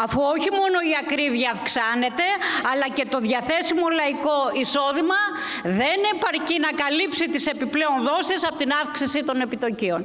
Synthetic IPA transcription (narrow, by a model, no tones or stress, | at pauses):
ɐfuoçimo̞no̞iɐkɾivʝɐːfksɐne̞t̪e̞ɐlɐce̞t̪o̞ðʝɐθe̞simo̞lɐiko̞iso̞ðimɐ | ðe̞ne̞pɐɾcinɐkɐlipsit̪ise̞piple̞o̞nðo̞sisɐpo̞t̪inɐfksisit̪o̞ne̞pit̪o̞cio̞n